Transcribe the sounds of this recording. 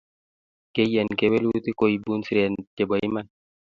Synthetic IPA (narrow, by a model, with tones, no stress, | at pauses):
ke˦jɛ˨nke˦we˦lu˦t̪i˦ko˦i˨bu˦nsi˦ɾɛ˨nd͡ʒe˨bɔ˨ɪ˦ma˦n